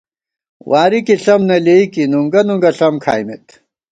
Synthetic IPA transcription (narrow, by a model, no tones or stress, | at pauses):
wʔaːɾikiɬɐmnɐleikinuŋɡɐnuŋɡɐɬɐmkʰaːjmet̪